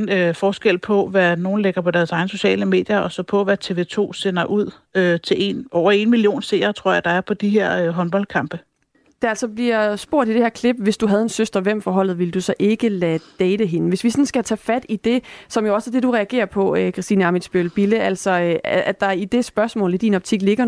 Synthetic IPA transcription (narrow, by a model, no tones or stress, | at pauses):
nøfɒːsɡ̥el̰pʰɒ̽ʋæno̝ːn̩leɡ̥ɐpʰɒ̽d̥æɐsɑ̈ɪn̩so̝ɕɛ̰ːləme̝ːd̥jɐʔɒ̽sɒpʰɒ̽ʋæt͡sʰe̝ːʋe̝ːt͡sʰo̝̰ːsenɐʔuð̰ˠ | øt͡sʰe̝le̝̰nʔɒʊ̰ɐe̝nmilijo̝̰ːnse̝̰ɐt͡sʰʁo̝ɐ̰jɑ̈d̥ɑ̈æɐpʰɒ̽d̥iɦeɐ̰øɦɒ̽nb̥ɒ̽ld̥kʰɑ̈mb̥ə | d̥eælsɒ̽b̥liɐsb̥o̝ɐ̰did̥e̝heæɐkʰle̝b̥ʋe̝sd̥uɦæð̞ˠe̝nsøsd̥ʁɐʋem̰fɒːɦɒ̽l̰ð̩ˠʋeləd̥usɒ̽ʔe̝ɡ̥əlæd̥ɛːd̥əɦe̝nəʋe̝sʋisɒ̽nsɡ̥æt͡sʰɛːfæd̥id̥e̝sɒ̽mjo̝ɒ̽səd̥e̝duʁɛæɡ̥e̝̰ːɐpʰɒ̽økʰʁɑsd̥iːnəɑ̈midsb̥ølb̥iləʔæl̰sɒ̽ʔæd̥ɑ̈id̥e̝sb̥ɶɐsmɔ̰̽ːlid̥inɒ̽b̥̚t͡sʰiɡ̥le̝ɡ̥ɐ